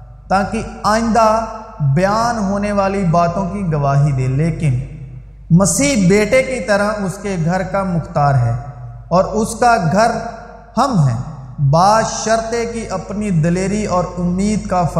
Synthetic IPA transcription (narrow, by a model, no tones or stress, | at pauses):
t̪aːkiaːɪ̃nd̪abɐjaːnɦoːneʋaːlibaːt̪õkiɡɐʋaːɦid̪ẽːleːkɪn | mɐsiːɦbeːʈekit̪ɐɾaʊskeɡʱɐɾkamʊxt̪aːɾɦɛː | ɔːɾʊskaɡʱɐɾ | hɐmɦɛː | baːʃəɾt̪ekiʔɐpnid̪ɐleːɾiɔːɾʊmːiːd̪kaf